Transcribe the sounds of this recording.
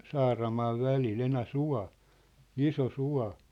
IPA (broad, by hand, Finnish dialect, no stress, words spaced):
sɑːrɑmɑːʋ ʋælil enæsuɑ̝ iso suɑ̝